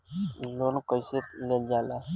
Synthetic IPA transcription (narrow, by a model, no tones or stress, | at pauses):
lonkəjset̪leld͡ʒaːla